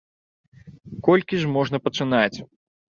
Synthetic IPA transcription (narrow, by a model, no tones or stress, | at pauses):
kɔlʲkʲiʐmɔʐnɐpɐt͡ʂɨnat͡sʲ